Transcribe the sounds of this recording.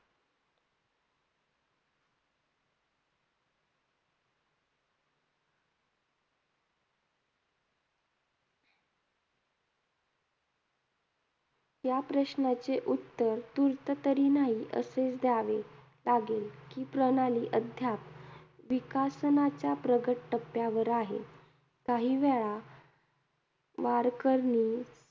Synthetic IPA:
japɾəɕnat͡seʔut̪ːəɾt̪uɾt̪ət̪əɾiːnaɦiːʔə̰set͡sd̪jaʋe | laɡelkiːpɾəñaliːʔəd̪ʱjap | ʋikasnat͡ɕjapɾəɡəʈʈəpːjaʋəɾaɦḛ | kaɦiːʋɛɭa | ʋaɾkəɾniː

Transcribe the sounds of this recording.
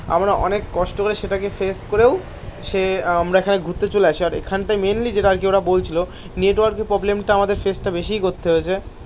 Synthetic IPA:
a̰mɾaʔɔnekːɔʃʈokoɾeʃeʈakefeskoɾew | ʃeamɾaekʰaneɡʱut̪ːet͡ɕoleaʃʰiaɾḛkʰanʈajmenlid͡ʑeʈaaɾkeoɾabolt͡ɕʰilo | neʈwaɾkeɾpɾɔblemʈaamad̪eɾfesʈabeʃijkot̪ʰːeɦoet͡ɕʰe

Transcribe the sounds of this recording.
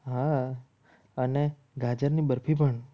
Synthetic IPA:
ɦa | əne | ɡʱad͡ʒəɾnibəɾpʰibʱəɳ

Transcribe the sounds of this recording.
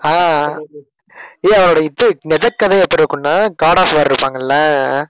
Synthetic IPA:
aː | eːɐʋɐnoːɽɐɪt̪ːɯnɛd͡ʒɐkːɐðɐɛpːɐɾɾɯkːɯnːaːkaːɽaːfʋɐɾɪɾɯpːaːŋɡɐlːɐ

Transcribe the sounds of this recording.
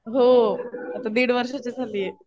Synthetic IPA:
ɦoɐt̪ãd̪iːɽʋəɾʃot͡ɕet͡sʰalie

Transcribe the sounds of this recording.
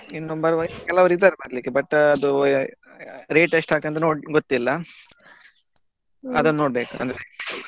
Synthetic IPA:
inːobɐɾʋɐkɛlːaɐʋɾid̪ːaːɾebɐɾɐlikːebɐʈːɐd̪u | ɾeːʈeʂʈaːɡt̪ɐnt̪ɐnoːɖɡot̪ːilːɐ | ɐ̰d̪unːnoːɽbe̞ːkuɐ̰nd̪ɐɾe

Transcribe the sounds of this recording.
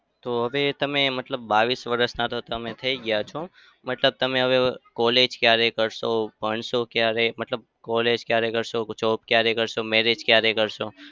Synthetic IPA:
t̪oɦəʋet̪əmẽmət̪ləbːaʋisʋəɾəsnat̪ot̪əmẽt̪ʰəiɡəjat͡ʃʰo | mət̪ləb̚t̪əmẽɦəʋekɔled͡ʒkjaɾekəɾʃopəɳsokjaɾemət̪ləb̚ | kɔled͡ʒkjaɾekəɾʃot͡ʃɔp̚kjaɾekəɾʃomeɾed͡ʒkjaɾekəɾʃo

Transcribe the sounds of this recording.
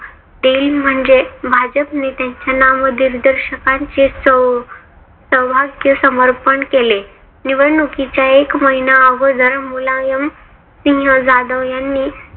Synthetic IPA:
d̪eːlm̤əɳd͡zebʱad͡ʑəpnet̪jaɲt͡ɕjanaʋməd̪ʱiːɾd̪əɾɕəkãɲt͡ɕesə | səwbʱaɡjəsəməɾpəɳkele | niʋənukit͡ɕjaekməɦinaəɡod̪ʱəɾmulajəm | sĩɦəd͡zad̪əʋjanːiː

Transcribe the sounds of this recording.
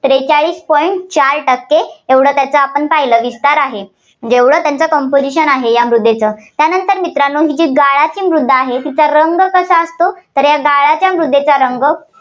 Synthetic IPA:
t̪ɾet͡saɭiːspɔiɳʈ̚t͡ɕaɾʈəkːeeʋɽəːt̪jat͡səapəɳpaɦjləːʋist̪aɾaɦe | m̤əɳd͡ʑeeʋɽ̤əːt̪jant͡səkɔmpod͡ʑiɕənaɦejamɾud̪ʱːet͡səːt̪janənt̪əɾmit̪ɾanoɦiːd͡ʑiːɡaɭat͡ɕiːmɾud̪ʱːəaɦet̪it͡saɾəŋɡkəsaəst̪ot̪əɾjaɡaɭat͡ɕjamɾud̪ʱːet͡saɾəŋɡə

